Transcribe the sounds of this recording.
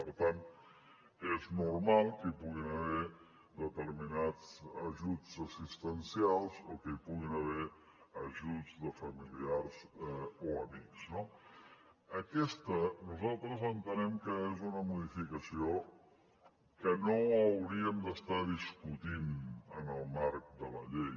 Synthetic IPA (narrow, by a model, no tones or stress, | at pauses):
pəɾt̪ant̪ | eznuɾmalˠkəipuɣ̞inəβɛɾ | d̪ət̪əɾminad͡zəʒud͡zəsist̪ənsialˠzokəipuɣinəβɛɾ | əʒud͡zðəfəmiliaɾzoəmikz̥no | əkɛst̪ənuzalˠt̪ɾəzənt̪ənɛmkəezunəmuð̞ifikəsio | kənoəwɾiəmd̪əst̪aðiskut̪inənəlˠmaɾk̚d̪ələʎej